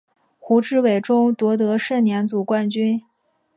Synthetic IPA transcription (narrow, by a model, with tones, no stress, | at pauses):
xu˧˥ʈ͡ʂɻ̩˥˩we˨˩ɪʈ͡ʂʊ˥ŋt̪wɔ˧˥t̪̬ɤ˧˥ʂə˥˩njɛ˧˥nt͡su˨˩kwa˥nt͡ɕy˥n